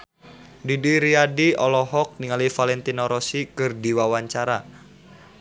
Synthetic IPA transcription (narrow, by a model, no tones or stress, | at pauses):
didiɾiadiɔlɔɦɔk̚niŋalifalɛnt̪inɔɾɔsikɨrdiwawaɲt͡ʃaɾa